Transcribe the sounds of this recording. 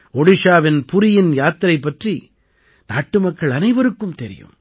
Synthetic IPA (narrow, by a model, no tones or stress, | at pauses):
ɔɽɪʂaːʋɪnpʊɾɪjɪnjaːt̪ːɪɾɐɪpːɐʈri | naːʈːɯmɐkːɐɭɐnɐɪʋɐɾɯkːɯmt̪ɛɾɪ̰jɯ̰m